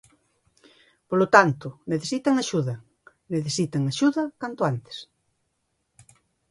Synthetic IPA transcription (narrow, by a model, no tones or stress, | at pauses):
polot̪ant̪ʊneθesit̪aŋaʃuðɐ | neθesit̪aŋaʃuðɐkant̪oant̪e̥s